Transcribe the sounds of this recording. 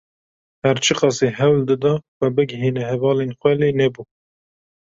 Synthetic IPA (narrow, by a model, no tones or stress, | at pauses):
hæɾt͡ʃʰɨqɑsiɦɛwld̪ɨd̪ɑxʷɛbɨɡɪɦiːnɛhɛvɑːleːnxʷɛleːnɛbuː